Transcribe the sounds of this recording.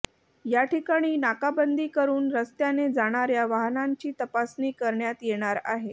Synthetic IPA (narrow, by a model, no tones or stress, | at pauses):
jaʈikaɽ̃iːnakabənd̪iːkəɾuːnɾəst̪janed͡zaɽ̃aɾjaʋaɦnaɲt͡ɕiːt̪əpasniːkəɾɳjat̪jeɽ̃aɾa̰ɦe